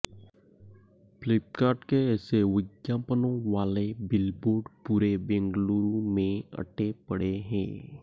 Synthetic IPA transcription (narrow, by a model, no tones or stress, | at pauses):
plɪp̚kaːɾʈkeɛːsewɪdjaːpənõʋaːlebɪlboːɾɖpuːɾebẽŋɡluːɾumẽə̰ʈʰepəɽeɦɛ̰̃ː